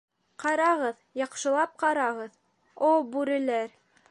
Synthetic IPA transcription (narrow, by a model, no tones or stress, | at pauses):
qɑɾɑʁɤðjɑqʃɤ̆lˠɑp̚qɑɾɑʁɤð | obʉɾɘ̆læɾ